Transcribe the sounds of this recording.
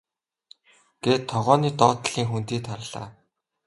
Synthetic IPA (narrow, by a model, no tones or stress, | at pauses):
ɡ̥eːt̪ʰːɔʁɔːniːt̪ɔːt̪̆ɮ̥iːŋxunt̪iːt̪ʰaɾə̆ɮ̥a̰ː